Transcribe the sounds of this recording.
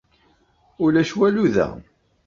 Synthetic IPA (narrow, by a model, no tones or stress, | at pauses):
ʊlæʃwæluðæ̰